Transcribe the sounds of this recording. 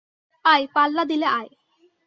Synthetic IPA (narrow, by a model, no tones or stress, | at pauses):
ajpalːad̪ileʔaj